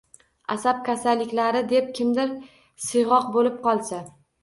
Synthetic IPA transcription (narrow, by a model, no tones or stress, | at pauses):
asap̚kʲʰasalːɪkʲlaɾɪd̪e̞p̚kʲʰɪmd̪ɪɾ | sɪjʁɒq̚bolɪp̚qʰɒlˠsa